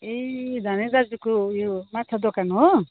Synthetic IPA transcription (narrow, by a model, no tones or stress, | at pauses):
ed̪ʱaneɾad͡zukojomatːt͡sʰad̪okanɦo